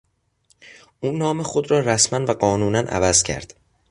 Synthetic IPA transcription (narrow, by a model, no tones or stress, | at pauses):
ʔuːnːɒːmexod̪ɾɒːɾæsmænvæɢɒːnuːnænʔæ̰væzcʰæ̰ɾd̪̥